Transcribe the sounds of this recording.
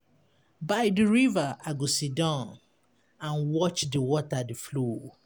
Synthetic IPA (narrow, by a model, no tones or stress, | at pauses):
baɪdiɹivaʔaɡosidãʊn | ãnwɔt͡ʃdiwɔtadiflo